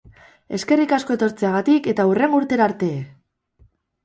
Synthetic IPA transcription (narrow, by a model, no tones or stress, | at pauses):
e̞ske̞rikasko̞e̞t̪o̞ɾt͡se̞aɣat̪ike̞t̪aure̞ŋɡuɾt̪e̞ɾaɾt̪e̞